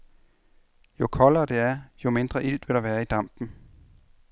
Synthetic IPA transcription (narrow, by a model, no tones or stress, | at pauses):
jo̝kʰɒ̽lɐːd̥e̝æɐjo̝me̝nd̥ʁɐʔil̰d̥ʋe̝ɾ̥ɑ̈ʋæːɐid̥ɑ̈m̰b̥n̩